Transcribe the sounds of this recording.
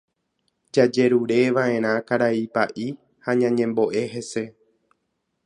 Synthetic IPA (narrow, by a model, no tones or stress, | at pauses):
d͡ʒad͡ʒe̞ɾuɾe̞ʋãʔẽ̞ɾ̃ãkaɾaipaʔi | haɲãɲẽ̞mbo̞ʔe̞ɦe̞se̞